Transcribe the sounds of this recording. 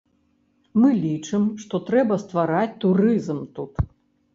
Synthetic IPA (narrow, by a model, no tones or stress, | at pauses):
mɨlʲit͡ʂɨmʂt̪ɔt̪ɾɛbɐst̪vaɾat͡sʲt̪uɾɨzmt̪ut̪